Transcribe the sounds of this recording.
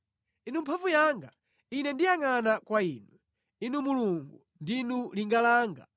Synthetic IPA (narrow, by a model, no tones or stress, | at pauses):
inumpʰavujaŋɡa | inɛndijaŋanakwaiːnwɛ | inumuluŋɡu | ndinuliŋɡalaːŋɡa̰